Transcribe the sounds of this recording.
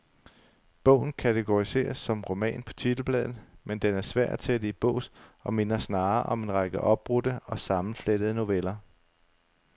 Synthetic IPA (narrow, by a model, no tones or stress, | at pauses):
b̥ɔ̰ʊn̩kʰæt͡sʰeɡ̥o̝ʁise̝̰ːɐsːɒ̽mʁo̝mɛ̰ːnpʰɒ̥̽t͡sʰid̥l̩b̥lɛ̰ːð̩ˠmend̥enæɐsʋæɐ̰dt͡sʰeæd̥ib̥ɔ̰ʊ̰sɒ̽me̝nɐsnɑ̈ːʔɒ̽me̝nʁɑɡ̥əʔɒ̽b̥ʁudəɒ̽sɑ̈mn̩fled̥əð̞ˠno̝ʋelɐ